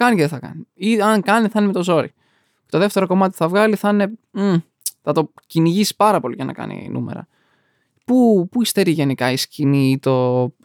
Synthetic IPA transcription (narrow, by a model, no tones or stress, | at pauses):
kɐniceðeθɐkɐ̰niiɐŋkɐniθɐnemet̪o̞zo̞ɾḭ | cet̪o̞ðeft̪eɾo̞ko̞mɐt̪i̥θɐvɣɐliθɐne̞ | θɐt̪o̞ciniʝisi̥pɐɾɐpo̞lḭʝɐnʔɐ̰kɐ̰nḭnʔṵmḛɾɐ̰ | pupuist̪e̞ɾiʝe̞nikɐisciniit̪o̞